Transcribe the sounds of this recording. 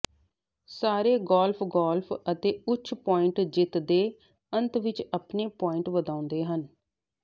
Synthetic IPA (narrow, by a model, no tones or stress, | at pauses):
saːɾeːɡɔːlpʰɡɔːlpʰət̪eːʊt͡ʃʃʰpɔːɪɳʈd͡ʒɪt̪d̪eː | ənt̪ʋɪt͡ʃəpneːpɔːɪɳʈʋəd̪ãːʊ̃nd̪eːɦən